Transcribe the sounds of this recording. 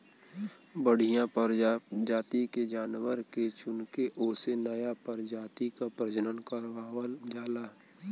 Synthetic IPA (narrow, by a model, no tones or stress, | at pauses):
bəɽ̤ijãpəɾd͡ʒaːt̪iked͡ʒaːnwəɾket͡ʃʊnkeʔoːsenəjapəɾd͡ʒaːt̪ikapɾəd͡ʒənənkəɾaːd͡ʒaːlaː